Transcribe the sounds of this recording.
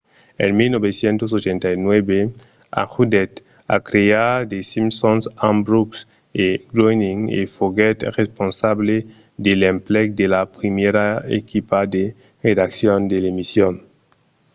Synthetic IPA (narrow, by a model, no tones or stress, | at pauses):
ḛnmilnoβesjent̪os̬ot͡ʃẽnt̪ajnwebe | a̰xud̪et̪ | a̰kɾead̪esimsonsãmbɾuks | eɡɾojniŋḛfoɡet̪responsaβle | d̪elemplek̚d̪elapɾimeɾaḛkʰipad̪e | red̪aksjond̪elemisjon